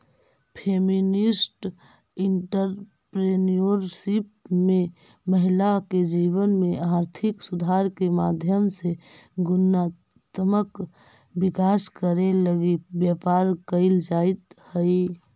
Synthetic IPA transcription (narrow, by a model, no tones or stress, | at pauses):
pʰeminisʈ | iɳʈəɾ | pɾenijoɾsipme | məɦilaked͡ʒiβənmeaɾt̪ʰiksud̪ʱaɾkemad̪ʱjəmseɡʊnːa | t̪mək | bikaskəɾeləɡibjəpaɾkəɪld͡ʒait̪həj